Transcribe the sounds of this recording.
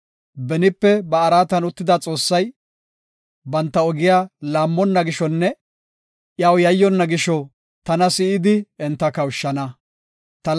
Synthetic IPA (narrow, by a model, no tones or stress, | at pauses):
bɛnɪpːɛbɐːɾaːt̪ɐnʊt̪ːɪd̪at͡sʼo̞ːsːɐj | bɐnt̪ːɐɔɡɪjaːlaːmːɔnːɐɡɪʃɔnːɛ | ʔjɐwjɐjːɔnːɐɡɪʃɔ | t̪ɐnɐsɪɪd̪ɪɛnt̪ːɐkɐwʊʃːɐnɐ | t̪ɐ